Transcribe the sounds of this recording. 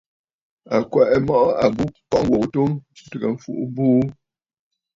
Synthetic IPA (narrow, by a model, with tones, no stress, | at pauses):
a˨kwɛ˨ʔɛ˨mɔ˦ʔɔ˦a˨bu˦pɔ˦ŋɡwo˨k̚tu˦ŋ̩˦˨tə˨ɡə˨m̩˦fṵ˦ʔu˦buː˦